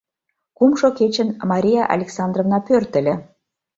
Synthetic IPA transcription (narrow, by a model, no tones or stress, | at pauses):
kumʃoket͡ɕə̆nmɑɾʲijɑʔɑ̰lʲeksɑnd̪rovnɑpørt̪ə̆lʲĕ